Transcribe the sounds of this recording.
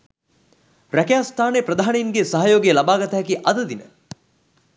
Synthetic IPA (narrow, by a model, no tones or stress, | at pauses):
ɾækejaːst̪ʰaːnepɾɐd̪ʱaːnejiŋɡesaɦajoːɡijlɐbaːɡɐt̪aɦːkiʔɐd̪ɐd̪inə